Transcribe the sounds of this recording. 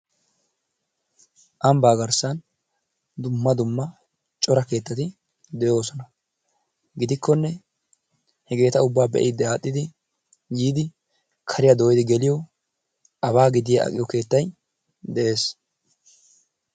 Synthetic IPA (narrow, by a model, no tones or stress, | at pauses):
ʔɐmbaːɡɐɾsɐn | d̪ʊmːɐd̪ʊmːɐ | t͡ʃʼɔɾɐke̞ːt̪ːɐt̪ɪ | d̪ɛjo̞ːsɔnɐ | ɡɪd̪ɪkːɔnːɛ | hɛɡe̞ːt̪ɐʊbːaːbɛ̰ʔɪd̪ːɛaːt̪ʼːɪd̪ɪ | jiːd̪ɪ | kʰɐɾɪjɐd̪oːjɪd̪ɪɡɛlɪjɔ | ʔɐβaːɡɪd̪ɪjɐɐ̰kʼɪjɔke̞ːt̪ːɐj | d̪ɛʔe̞ːs